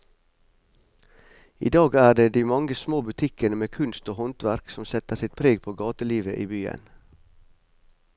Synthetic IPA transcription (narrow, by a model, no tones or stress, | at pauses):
ḭːd̪ɑːɡæːɖeːd̪iːmɑŋəsmoːbʉt̪ʰɪkənəmeːkʰʉnst̪oːhɔnt̪ʋæɾksɔmsɛt̪əsɪt̪̚pʰɾeːɡ̚pʰoːɡɑːt̪əliːʋəʔiːbyːə̰n